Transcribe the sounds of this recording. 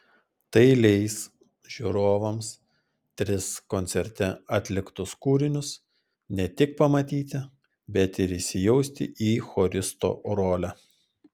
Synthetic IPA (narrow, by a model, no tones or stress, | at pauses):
t̪ɐɪlʲɛɪs | ʒʲuːɾoːʋɐms | t̪ʲɾʲɪskonʲt̪sʲɛɾʲt̪ʲɛɐːt̪ʲlʲɪkt̪ʊskuːɾʲɪnʲʊs | nʲɛt̪ʲɪk̚pɐmɐt̪ʲiːt̪ʲɪ | bʲɛt̪ɪɾɪʃʲsʲɪjɛʊsʲt̪ʲɪ̰ʔiːxoːɾʲɪst̪o̰ːɾoːlʲæ